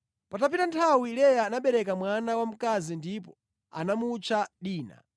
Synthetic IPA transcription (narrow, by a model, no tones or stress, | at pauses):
patapitantʰawilɛjaːnaɓɛɾɛkamwanawam̩kazindipɔ | a̰namut͡ʃʰaɗiːna̰